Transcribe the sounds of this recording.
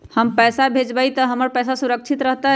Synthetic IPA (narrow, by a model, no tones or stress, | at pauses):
həmpəjsabʱed͡ʒbəjt̪əɦəməɾpəjsasuɾək̚t͡ʃʰit̪ɾəɦt̪ə